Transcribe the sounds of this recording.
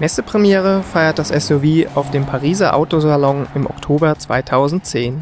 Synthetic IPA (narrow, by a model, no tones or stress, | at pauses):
mɛsəpʁ̥ɛmjɛːʁ̞əfaɪɐt̚d̥asɛsoviːa̰ʊfd̥eːmpʰaʁiːzɐʔa̰ʊtozalɔŋɪmɔ̰ktʰoːbɐt͡sv̥a̰ɪtʰaʊzn̩tt͡seːn